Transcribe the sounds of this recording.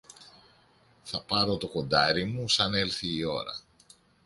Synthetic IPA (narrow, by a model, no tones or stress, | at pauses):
θɐpɐɾo̞t̪o̞ko̞nd̪ɐɾimusɐne̞lθiːo̞̰ɾɐ̰